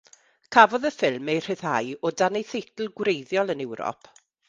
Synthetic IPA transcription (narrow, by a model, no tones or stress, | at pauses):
kʰavɔðəfɪlˠmejr̥ɪθha̰jɔdanejθejtl̩ˠɡwɾejðjɔlˠənɛwɾɔ̰pʰ